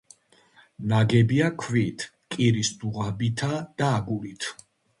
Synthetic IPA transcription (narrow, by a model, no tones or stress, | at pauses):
naɡɛbiakʰvit̪ʰ | kʼiɾisd̪uʁabit̪ʰad̪̥aːɡulit̪ʰ